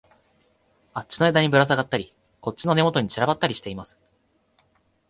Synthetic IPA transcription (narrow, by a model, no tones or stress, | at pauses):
at͡ɕːi̥no̞e̞d̪aɲ̟ibɯ̟ɾas̬aɡat̪ːaɾʲi | ko̞t͡ɕt͡ɕːino̞ne̞mo̞t̪o̞ɲ̟it͡ɕiɾabat̪ːaɾʲiɕi̥t̪e̞imasɨ̥